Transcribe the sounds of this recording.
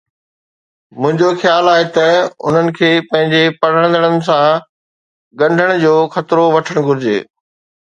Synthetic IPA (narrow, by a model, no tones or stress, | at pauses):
mʊ̃ɦɪ̃ɲd͡ʑoxjaːlaːɦet̪ɐʊ̰n̤ənɪ̆kʰeːpɐ̃ɦɪ̃ɲd͡ʑepɐɽ̤əɽ̃ə̃nd̪əɽ̃ənɪ̆s̬ã | ɡɐ̃ɳɖʱəɽ̃ʊd͡ʑoːxɐt̪ɾoʋɐʈʰəɽ̃ɡʱʊɾɪd͡ʑḛː